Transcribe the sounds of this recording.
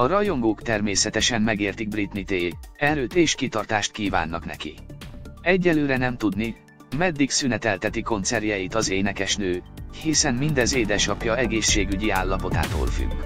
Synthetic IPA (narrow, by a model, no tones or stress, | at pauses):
ɒrɒjo̞ŋɡoːkt̪ɛrmeːsɛt̪ɛʃɛmmɛɡeːrt̪iɡ̚brit̪nit̪eːɛɾøːt̪eːʃkit̪ɒrt̪aːʃt̪̚kiːva̰ːnːɒknɛ̰kḭ | ɛɟːɛlːøːɾɛnɛmt̪ud̪ni | mɛd̪ːiksynɛt̪ɛlt̪ɛt̪iko̞nt̪sɛrjɛjit̪ɒzeːnɛkɛʃnøːhisɛmmind̪ɛzeːd̪ɛʃɒpjɒɛɡeːʃːeːɡyɟiaːlːɒpo̞t̪a̰ːt̪o̰ːlfy̰ɡː